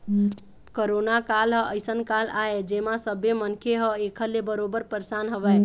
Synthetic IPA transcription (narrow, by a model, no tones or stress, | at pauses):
koɾonakalɦə̃ʔəjsənkalaed͡ʒemasəbemənkʰeɦə̃ekʰəɾlebəɾobəɾpəɾsanɦəbɛ